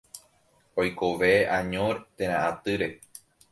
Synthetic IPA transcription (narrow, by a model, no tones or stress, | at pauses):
ojkoʋeʔãɲõɾet̪ẽɾ̃ãʔat̪ɨɾe̞